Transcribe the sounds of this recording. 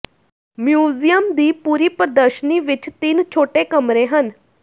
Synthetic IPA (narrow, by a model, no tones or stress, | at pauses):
mjuːzijəmd̪iːpuːɾiːpəɾəd̪əɾʃniːʋɪt͡ʃt̪ɪnt͡ʃʰoːʈeːkəmɾeːɦən